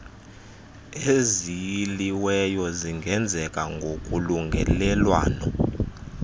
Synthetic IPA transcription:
ezijiliwɛjɔziŋɡʱɛnd͡zʱɛkʼaŋɡʱokʼuluŋɡʱɛ̰lɛlwa̰ːnɔ

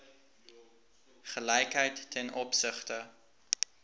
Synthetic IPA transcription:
χəlɛjkɦəjtːʰɛnɔpsəχtə

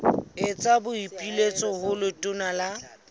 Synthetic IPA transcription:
ɪt͡sʼabʊipʼilet͡sʼɔɦʊlʊtʼʊnala

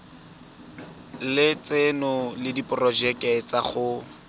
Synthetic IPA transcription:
lɪt͡sɪnʊlɪdipʊrɔd͡ʒɛkʼɛt͡saχʊ

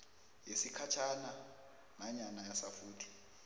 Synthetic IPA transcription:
jesikʰat͡ʃʰana | maɲanajasafuːtʰi̥

